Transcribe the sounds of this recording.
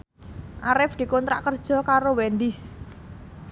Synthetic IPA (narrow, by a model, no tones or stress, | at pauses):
ʔaɾɪfd̪̥i̤kɔnt̪ɾa̰ʔkərd̥ʒ̥ɔ̤kaɾowɛnd̪ɪs